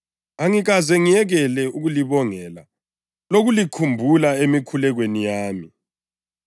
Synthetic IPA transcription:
aŋiɣazɛŋijɛɣɛlɛuɣuliβɔŋɛla | loɣulikʰumbʱulaemikʰulɛɣwenijaːmi

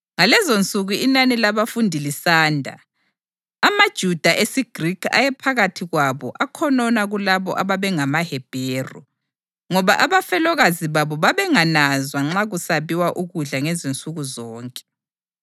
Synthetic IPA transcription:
ŋalɛzont͡sʼuɣuinanilaβafundʱilisaːndʱa̰ː | mad̥ʒ̥ʱud̥ʱaʔesiɡ̥ʱrikʰa̰jɛpʰaɣatʰiɣwaβɔ̰ʔakʰɔnɔnaɣulaβɔ̰ʔaβaβɛŋamahɛb̥ʱeːrṵ | ŋɔβaʔaβafɛlɔɣaziβaβɔβaβɛŋanazwaŋ͡ǁaɣusaβiwaʔuɣuɮaŋɛzint͡sʼuɣuzɔːŋkʼɛ̥

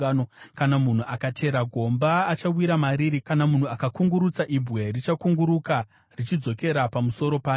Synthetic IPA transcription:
nokanamun̤uʔakatʰe̞ɾaɡʱo̞mbaːt͡ʃawiɾamaɾiɾikanamun̤uakakuŋɡuɾut͡saʔibwe̞rit͡ʃakuŋɡuɾuka | rit͡ʃid͡zo̞ke̞ɾapamuso̞ɾo̞paː

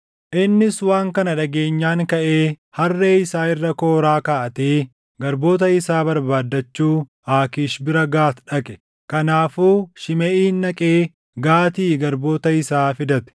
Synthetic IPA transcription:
ʔɪnːɪswaːŋkɐnɐᶑɐɡe̞ːɲːaːŋkɐʔe̞ː | hɐrːe̞ːɪsaːɪrːɐko̞ːɾaːkaːʔɐt̪eː | ɡɐɾbo̞ːt̪ɐɪsaːbɐɾbaːd̪ːɐt͡ʃːuː | aːkiːʃbɪɾɐɡaːt̪ᶑɐkʼɛ̥ | kɐnaːfuːʃɪmɛʔiːnːɐkʼeː | ɡaːt̪iːɡɐɾbo̞ːt̪ɐɪsaːfɪd̪ɐt̪ɪ̥

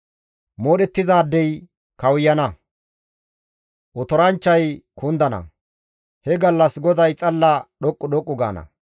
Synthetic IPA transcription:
moːɗɛt̪ːɪzaːd̪ːɛj | kɐwʊjːɐnɐ | ʔɔt̪ɔɾɐnt͡ʃːɐjkʊnd̪ɐnɐ̰ | hɛɡɐlːɐsɡɔd̪ɐjt͡sʼɐlːɐɗɔkʼːʊɗɔkʼːʊɡa̰ːnɐ̰

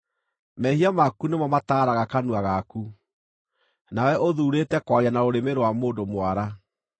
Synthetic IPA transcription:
mɛhiamakunemɔmataːɾaɣakanuaɣaku | nawɛʔoðuːɾetɛkwaɾianaoɾemeɾowamoːndomwaɾa

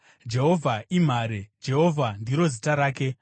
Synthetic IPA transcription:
d͡ʒe̞ɦo̞vʱaim̤aːɾed͡ʒe̞ɦo̞vʱandiɾo̞zitaɾaːke̞

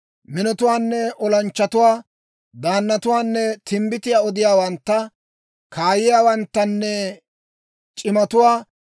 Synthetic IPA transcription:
mɪnɔt̪ʊwaːnːɛʔɔlɐnt͡ʃːɐt̪ʊwaː | d̪aːnːɐt̪ʊwaːnːɛt̪ʰɪmbɪt̪ɪjaːɔd̪ɪjaːwɐnt̪ːɐ | kʰaːjɪjaːwɐnt̪ːɐnːɛ | t͡ʃʼɪmɐt̪ʊwaː

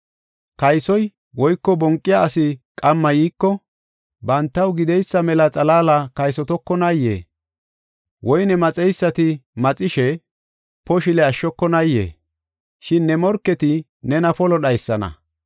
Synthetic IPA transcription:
kɐjsɔj | wɔjkːɔbɔŋkʼːɪjaːsɪkʼɐmːɐjiːkːɔ | bɐnt̪ːɐwɡɪd̪ɛjsːɐmɛlɐt͡sʼɐlaːlɐkɐjsɔt̪ɔkːɔnɐjːḛː | wʔɔjnɛmɐt͡sʼɛjsːɐt̪ɪmɐt͡sʼɪʃɛ | pɔʃɪlɛɐʃːɔkːɔnɐjːḛː | ʃɪnːɛmɔɾkːɛt̪ɪ | nɛnɐpɔlɔɗɐjsːɐnɐ̰

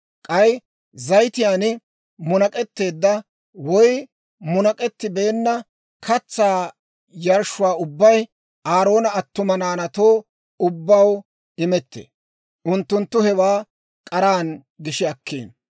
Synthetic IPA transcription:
kʼɐj | zɐjt̪ɪjaːnɪ | mʊnɐkʼɛt̪ːe̞ːd̪ːɐ | wɔj | mʊnɐkʼɛt̪ːɪbeːnːɐ | kʰɐt͡sːaː | jɐɾʃʊwaːʊbːɐj | aːɾo̞ːnɐːt̪ːʊmɐnaːnɐt̪o̞ː | ʊbːɐw | ɪmɛt̪ːḛ | ʔʊnt̪ːʊnt̪ːʊhɛwaː | kʼɐɾaːn | ɡɪʃɪɐkːḭːn

